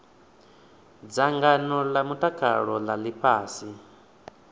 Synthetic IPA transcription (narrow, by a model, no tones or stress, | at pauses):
d͡zaŋɡanɔlamutʼakʰa̰ɺɔlalipʰaːsi